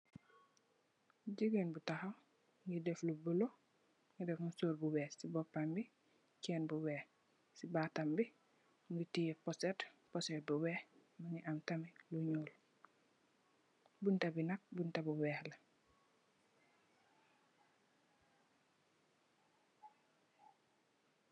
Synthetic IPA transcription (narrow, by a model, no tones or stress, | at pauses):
ɟiɡenbutaxaw | ŋɡidɛflubulo | ŋɡidɛfmusoːɾbuwɛːsibɔpːambi | kɛːnbuwɛːh | sibatambi | ŋɡitijɛpɔsɛtpɔsɛt̚buwɛːhmaŋiʔamtamiluɲoːl | buntabinɐk̚buntabuwɛːhlɐ